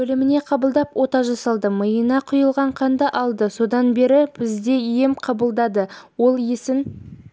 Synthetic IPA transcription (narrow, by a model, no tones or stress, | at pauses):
ɵlɪmɪne̞qʰɑbəlˠd̪ɑpwʔo̞t̪ɑʒɑsɑlˠd̪əməjənɑqʰʊjəlˠʁɑɴqʰɑnd̪ɑʔɑlˠd̪əso̞d̪ɑnbe̞ɾɪb̥ɪzd̪e̞je̞mqʰɑbəlˠd̪ɑd̪əwo̞lˠjesɪn